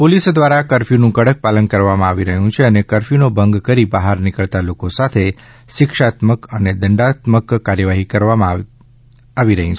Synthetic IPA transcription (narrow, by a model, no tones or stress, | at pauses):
polisd̪ʋaɾakəɾfinũkəɽək̚palənkəɾʋamãaʋiɾəɦjũt͡ʃʰeənekəɾfinobʱəŋɡkəɾibaɦaɾnɪkəɭt̪alokosat̪ʰe | ʃɪkʃat̪məkəned̪əɳɖat̪məkːaɾjəʋaɦikəɾʋamã | aʋiɾəɦjũt͡ʃʰ